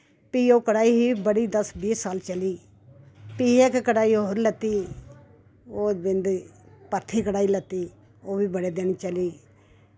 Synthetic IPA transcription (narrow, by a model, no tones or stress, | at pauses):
piːoːkəɽaːiːɦiːbəɽiːd̪əsbiːsːaːlt͡ʃəliː | piːekkəɽaːiːooʊɾlət̪ːiː | oːbɪnd̪ | pəɾt̪ʰiːkəɽaːiːlət̪ːiː | oːʋiːbəɽeːd̪eːniːt͡ʃəliː